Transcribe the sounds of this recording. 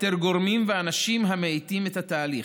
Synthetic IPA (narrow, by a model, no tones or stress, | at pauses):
t̪eʁɡo̞ʁmimveanaʃimɦameejt̪imet̪hat̪aːliχ